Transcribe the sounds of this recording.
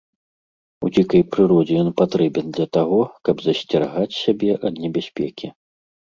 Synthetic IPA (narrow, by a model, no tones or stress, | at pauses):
ṵd͡zʲikɐjpɾɨɾɔd͡zʲɛjɔnpat̪ɾɛbʲɛnd̪lʲɐt̪aɣɔkɐbzɐsʲt͡sʲɛrɣat͡sʲsʲabʲɛʔɐd̪nʲɛbʲasʲpʲɛkʲi